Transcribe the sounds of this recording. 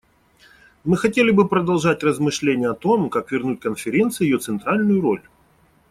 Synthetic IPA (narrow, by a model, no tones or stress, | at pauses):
mɨxɐtʲelʲɪbɨpɾəd̪ɐlˠʐatʲrəzmɨʂlʲenʲɪjəɐt̪o̞mkakvʲɪrnutʲkənfʲɪɾʲe̞nt̪sɨjjɪjo̞t̪sɨnt̪ɾalʲnʊjʊɾo̞̰lʲ